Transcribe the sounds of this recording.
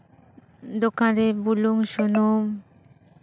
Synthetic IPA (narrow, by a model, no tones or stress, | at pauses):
d̪okãɾebuluŋʃunum